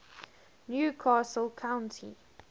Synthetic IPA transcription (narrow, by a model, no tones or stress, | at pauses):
njuːkʰɑːsəlˠkʰãʊ̃ntʰḭ